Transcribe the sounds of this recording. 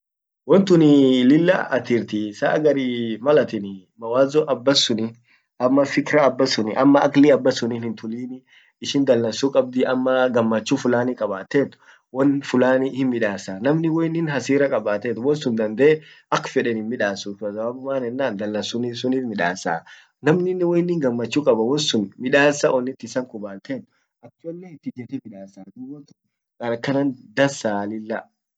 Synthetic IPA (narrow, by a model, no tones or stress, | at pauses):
wɔnt̪ʊnɪlɪlːɐ̰ɐt̪ɪɾt̪ɪsa̰ːɡɐɾimɐlɐt̪ɪn | mɐwaːzɔʔɐbːɐsʊnɪ | ɐmːɐfɪkɾɐːbːɐsʊnɪʔɐmːɐɐklɪɐbːɐsʊniːnɪnt̪ʊliːnɪ | ɪʃɪnd̪ɐlːɐnsʊkʼɐb̚d̪ɪʔɐmːɐɡɐmːɐt͡ʃːufʊlaːnɪkʼɐbaːt̪ːeːt̪ːʊ̥ | wɔnfʊlaːnɪhɪnmɪᶑaːsaːnɐmnɪwɔjnɪnɦɐsiːɾɐkʼɐbaːt̪eːt̪ːʊwɔnsʊnd̪ɐnd̪eɛ | ʔɐkːfɛᶑɛnɪnmɪᶑaːsuːfɐsɐbaːbʊmaːnɛnːaːnd̪ɐlːɐnsʊniːsʊniːfmɪᶑaːsa̰ː | nɐmnɪnːɪwɔjnːɪŋɡɐmːɐt͡ʃːuːkʼɐbɐwɔnsʊnmɪᶑaːsːɐʔɔnːɪt̪ːɪsɐŋkʊbaːlt̪ʰeːt̪ːʊ̥ | ʔɐkːɔlːeɪt̪ːɪd͡ʒɛt̪ɛmɪᶑaːsaːd̪uwɐkɛn | kʼɐɾɐkːɐnɐnd̪ɐnsaːlɪlːɐ